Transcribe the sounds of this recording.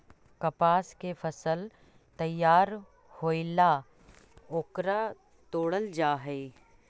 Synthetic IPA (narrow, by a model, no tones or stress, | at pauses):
kɐpaːskefʰɐsəl | t̪ɐjːaːɾ | hoːɪla | oːkɾa | t̪oːɽəld͡ʒaːɦɛi